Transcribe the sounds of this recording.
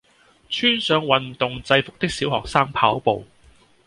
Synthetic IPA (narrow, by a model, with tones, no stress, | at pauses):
t͡ʃʰyː˥nsœː˨˧ŋwɐ˨˩nt̪ʊ˨ŋt͡sɐ˧jfʊ˨k̚t̪ɪ˥k̚siː˨˥wɦɔː˨˩k̚saː˥ŋpʰaː˨˥wpo˨w